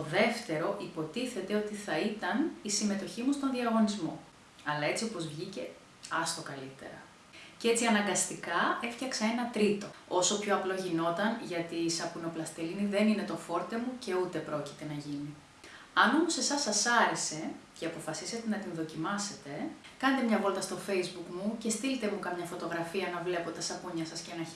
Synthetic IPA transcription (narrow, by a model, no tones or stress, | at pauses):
t̪oðe̞ft̪e̞ɾo̞ʔipo̞t̪iθe̞t̪e̞o̞t̪iθɐit̪ɐnisime̞t̪o̞çimust̪o̞nðiɐɣo̞nizmo̞ | ɐlɐe̞t͡sio̞po̞zvʝice̞ | ɐst̪o̞kɐlit̪e̞̰ɾɐ | cee̞t͡siɐnɐŋɡɐst̪ikɐe̞ftçɐksɐe̞nɐt̪ɾit̪o̞o̞so̞pço̞ɐplo̞ʝino̞t̪ɐnʝɐt̪iːsɐpuno̞plɐst̪eliniðe̞nine̞t̪o̞fo̞ɾt̪e̞muce̞ut̪e̞pɾo̞ci̥t̪e̞nɐʝini | ɐno̞mose̞sɐsɐsɐɾe̞se̞ceɐpo̞fɐsise̞t̪e̞nɐt̪inðo̞cimɐse̞t̪e̞kɐne̞t̪e̞mɲɐvo̞lt̪ɐst̪o̞fe̞izbukmuce̞st̪ilit̪emukɐmɲɐfo̞t̪o̞ɣɾɐfiɐnɐvle̞po̞t̪eɐsɐpuɲɐsɐscenɐ